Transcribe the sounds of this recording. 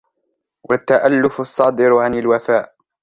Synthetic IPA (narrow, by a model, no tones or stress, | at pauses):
wʔat̪ːaʔalːʊfɑsˤːɑːd̪ɪɾʕanɪlwafaːʔ